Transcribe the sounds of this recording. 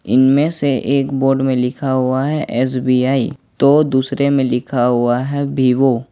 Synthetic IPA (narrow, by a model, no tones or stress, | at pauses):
ɪnmẽseʔeːkboːɾɖmẽlɪkʰaɦʊaɦɛʔɛːs̬biːaːit̪od̪uːsɾemẽlɪkʰaɦʊaɦɛbʱiʋo